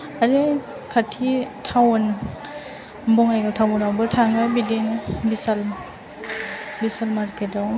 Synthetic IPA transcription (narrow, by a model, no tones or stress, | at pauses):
aɾi | kʰatʰitʰawn | mbɔŋajɡawtʰawɔnawbɯtʰaŋbabidenbisal | bisalmaɾkʰedaw